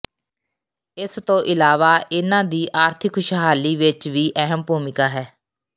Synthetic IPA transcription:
ɪst̪õːʔɪlaːʋaːʔɪnãːd̪iːʔaːɾt̪ʰɪkʃəɦaːliːʋɪt͡ʃʋiːʔɛɦəmpuːmɪkaːɦɛː

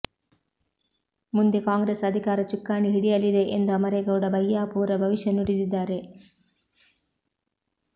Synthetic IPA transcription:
mund̪e̞kaːŋɡɾesɐd̪ʱikaːɾɐt͡ʃukːaːɳiɦiɽijɐlid̪e̞ʔend̪oɐmɐɾeɡɐwuɽɐbʱɐjːaːpuːɾɐbʱɐʋiʂjɐnuɽid̪id̪ːaːɾe̞

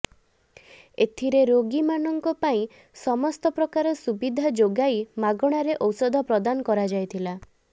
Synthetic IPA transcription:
et̪ʰiɾeɾoɡimanɔŋkɔpaĩ | sɔmɔst̪ɔpɾɔkaɾɔsubid̪ʱad͡ʒoɡajmaɡɔɽ̃aɾeʔɔwsɔd̪ʱɔpɾɔd̪anɔkɔɾad͡ʒajt̪ʰila

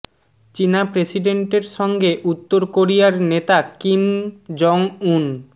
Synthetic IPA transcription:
t͡ɕinapɾesiɖeɳʈeɾʃɔŋɡeʔut̪ːoɾkoɾijaɾnet̪akimd͡ʑɔŋun

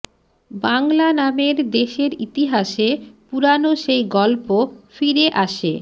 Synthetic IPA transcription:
baŋlanameɾd̪eʃeɾit̪iɦaʃepuɾanoʃejɡɔlpofiɾeʔaʃḛ

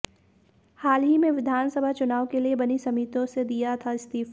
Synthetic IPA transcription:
haːlɦimẽʋɪd̪ʱaːnsəbʱat͡ʃʊnaːʋkeliebɐnisɐmiːt̪õsed̪ijat̪ʰaɪst̪iːf

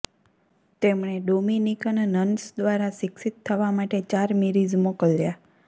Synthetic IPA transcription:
t̪emɳ̃eɖominikənnənsd̪ʋaɾaʃɪksit̪ʰːəʋamaʈet͡ʃaɾmiɾid͡ʒmokəlːja

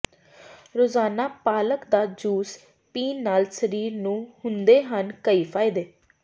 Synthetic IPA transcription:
ɾoːzaːnaːpaːləkd̪aːd͡ʒuːs | piːnnːaːlsəɾiːɾnũːhʊnd̪eːɦənkəiːpʰaːɪd̪eː

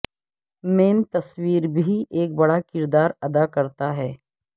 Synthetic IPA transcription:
meːnt̪ɐswiːɾbʱiʔeːk̚bɐɽakɪɾd̪aːɾɐd̪akɐɾt̪aɦɛː

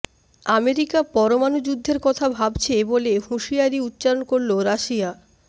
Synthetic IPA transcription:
ameɾikapɔɾomanud͡ʑud̪ʱːeɾkɔt̪ʰabʱabt͡ɕʰebolehuʃiaɾiut̪ːɕaɾonkoɾloɾaʃia

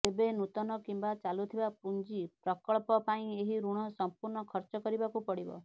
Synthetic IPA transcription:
ebenut̪ɔnɔkimbat͡ʃalut̪ʰibapund͡ʒipɾɔkɔɭpɔpaĩeɦiɾuɽ̃ɔsɔmpuɾnɔkʰɔɾt͡ʃɔkɔɾibakupɔɽibɔ̰

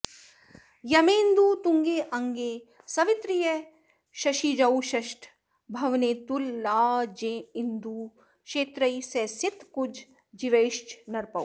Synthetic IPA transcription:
jɐmẽːnd̪uːt̪ʊ̃ŋɡeːʔɐ̃ŋɡeː | sɐʋɪt̪ɾijə | ʃɐʃid͡ʒɐwʃɐʃʈʰ | bʱɐʋneːt̪ulːaːd͡ʒẽːɪnd̪uː | ʃeːt̪ɾəisesɪt̪kʊd͡ʒʱ | d͡ʒiʋeːʃt͡ʃnɐɾpɐw

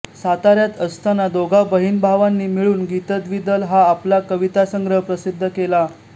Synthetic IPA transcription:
sat̪aɾjat̪əst̪ʰanad̪oɡabəɦiːnbʱaʋanːiːmiɭuːnɡit̪ət̪ʋid̪əlɦaːplakəʋit̪asəŋɡɾəɦəpɾəsid̪ʱːəkela

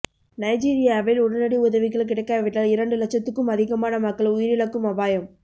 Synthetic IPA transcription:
nɐɪd͡ʒiːɾɪjaːʋɪlʊɽɐnɐɽiʊðɐʋɪɣɐɭk̬ːɪɽɐɪkːaːʋɪʈːɐlɪɾɐɳɖɯlɐt͡ʃːɐt̪ːɯkːɯmɐðɪɣɐmaːnɐmɐkːɐɭʊjɪɾɪɭɐkːɯmɐbaːjɐm

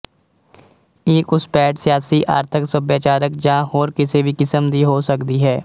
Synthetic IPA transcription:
eːkʊspɛːʈsɪjaːsiʔa̰ːɾt̪ʰɪksəbjaːt͡ʃaːɾək̚d͡ʒãːɦoːɾkɪsebʱikɪsəmd̪iɦoːsəkd̪iɦɛː

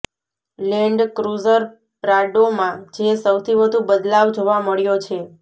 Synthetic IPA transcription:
lɛɳɖkɾuzəɾ | ɾaɖomãd͡ʒesəwt̪ʰiʋəd̪ʱubəd̪laʋd͡ʒoʋaməɭjot͡ʃʰe

